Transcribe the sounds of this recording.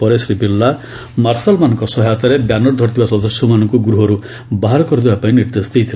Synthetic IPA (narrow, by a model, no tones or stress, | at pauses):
pɔɾesɾibilːa | maɾsalmanɔ̃ŋkɔsɔɦjat̪aɾebjanɔɾd̪ʱɔɾt̪ʰibasɔd̪ɔsjɔmanɔŋkuɡɾuɦɔɾu | baɦaɾɔkɔɾd̪ebapaĩniɾd̪est̪ijt̪ʰil